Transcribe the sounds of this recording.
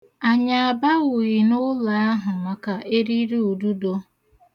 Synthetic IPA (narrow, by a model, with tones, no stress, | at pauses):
a˨ɲa˨a˨ba˦ɣʊ˨ɣi˨nʊ˦la˨a˦ɦʊ˨ma˨ka˨ʔe˦ɾi˦ɾe˦u˨du˦do˦